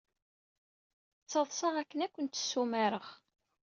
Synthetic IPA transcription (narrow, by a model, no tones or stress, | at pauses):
t͡sːɑðˤsˤɑʁækːənækʷːənt̪ə̥sːumaɾəχ